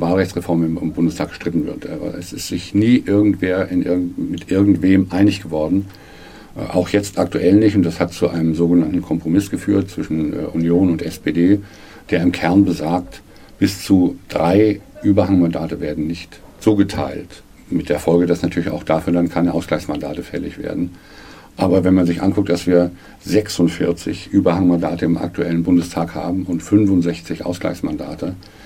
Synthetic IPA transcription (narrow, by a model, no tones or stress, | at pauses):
vaːlʁɛçt͡sʁ̥ɛfɔɐmɪmɪmbʊndəstʰaːk̚ɡ̥ʃtʁ̥ɪtn̩vɪ̰ɐtʰʔɛsɪstz̥ɪçniːʔɪɐɡŋ̩tv̥eːɐɪnʔɪ̰ɐɡ̩mɪtʔɪɐɡŋ̩tv̥eːmʔaɪnɪçɡ̥əvɔɐdn̩ | ʔʔa̰ʊxjɛt͡stʔaktuʔɛlnɪçtʊntd̥ashat̚t͡suʔaɪnəmzoːɡənantn̩kʰɔmpʁ̥omɪsɡ̥əfyːɐt̚t͡sv̥ɪʃn̩ʔunjoːnʊntɛspeːdeː | d̥eːɐɪmkʰɛɐnbəzaːk̚t | b̥ɪst͡sud̥ʁaɪʔyːbɐhaŋmandaːtəveːɐdn̩nɪçt | t͡suːɡətʰa̰ɪlt | mɪt̚d̥eːɐfɔlɡədasnatʰyːɐlɪça̰ʊxd̥aːfyːɐdankʰaɪnəʔaʊsɡlaɪçsmanda̰ːtəfɛlɪ̰çv̥ḛːɐdn̩ | ʔaːbɐvɛnmanzɪçʔa̰nkʰʊk̚td̥asv̥iːɐ | zɛksʊntfɪɐt͡sɪ̰çʔyːbɐhaŋmanda̰ːtəɪmʔa̰k̚tʰuɛlənbʊndəstʰaːkha̰ːbm̩ʊntfʏnfʊntzɛçt͡sɪçʔa̰ʊsɡ̥la̰ɪçsmanda̰ːtʰə